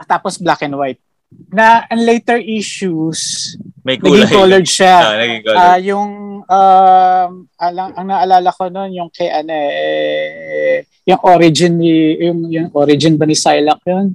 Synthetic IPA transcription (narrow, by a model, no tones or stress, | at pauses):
t̪aːposblakɛnwajt̪̚ | nɐʔɐŋlejt̪ɛɹʔiʃusmɐnɐɡɪŋkolɛd̪ʃaɐiajʊŋamʔɐlɐŋʔɐŋnɐʔɐlaːlɐkono̞njʊŋkɛʔɐnoɛʔɛ | jʊŋʔoɾɪd͡ʒɪnːijʊŋjʊŋʔoːɾɪd͡ʒɪnbɐnɪsajlɐk̚jon